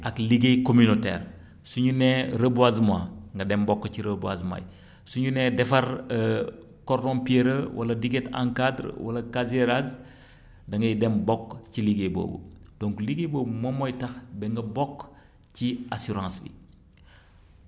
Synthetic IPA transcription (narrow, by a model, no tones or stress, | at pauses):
akliɡejkomynotḛːɾ | suɲuneɾəbuazmaŋɡɐdembɔkːciɾəbua̰zma̰j | suɲunedɛfɐɾ | koɾdõmpieɾəwʔa̰lɐdiɡetã̰ŋkadɾwa̰lɐkazeɾaz | dɐŋɡɐjdembɔkːciliɡebo̰ːbṵd̥oŋkliɡeboːbumomojtɐxbeŋɡɐbɔkː | ciasuɾãːsbḭ